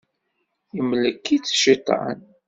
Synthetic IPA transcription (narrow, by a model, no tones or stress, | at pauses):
imləkːit͡sːʃit̪ˤːɑ̰n